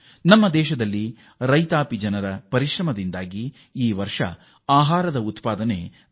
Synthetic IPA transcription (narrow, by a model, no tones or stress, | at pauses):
nɐmːɐd̪ɛːʃɐd̪ɐlːi | ɾɐjt̪aːpid͡ʒɐnɐɾɐpɐɾiʃɾɐmɐd̪ind̪aːɡi | iːʋɐɾʂɐ̰ | aːɦaːɾɐd̪ɐut̪paːd̪ɐne̞